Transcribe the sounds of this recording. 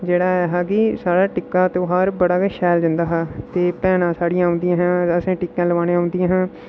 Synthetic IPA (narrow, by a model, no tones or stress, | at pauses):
d͡ʒeːɽaːɛːɦaːkɪsaːɽaːʈɪkːaːt̪oɦaːɾbəɽaːkːʃɛːld͡ʒə̃nd̪aːɦaːt̪eːpɛːnãːsaːɽijãːʊ̃nd̪ɪjãːɦãːəsãːʈɪkːãːləʋaːnːãɦʊ̃ːnd̪ɪjãːɦãː